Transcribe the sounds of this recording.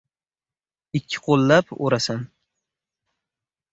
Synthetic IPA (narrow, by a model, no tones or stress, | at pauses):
ɪkʲʰːɪ̥qʰolˠːapo̰ɾasan